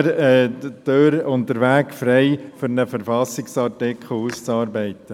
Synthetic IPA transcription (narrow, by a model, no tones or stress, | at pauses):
ɾɛd̥øɾʊntdəɾʋæːkfɾɛɪføɾnəfəɾfɑsɪksɑrtɪkʰχl̩ˠust͡sɑːɾbɛɪt̪ə